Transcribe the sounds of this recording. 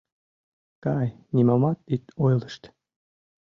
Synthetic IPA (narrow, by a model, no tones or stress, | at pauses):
kɑj | nimɑmɑt̪it̪ojlˠə̆ʃt̪